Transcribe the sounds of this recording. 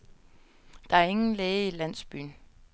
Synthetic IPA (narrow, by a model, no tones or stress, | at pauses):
d̥ɑ̈æɐe̝ŋn̩leːɪəilæn̰sb̥y̰ːn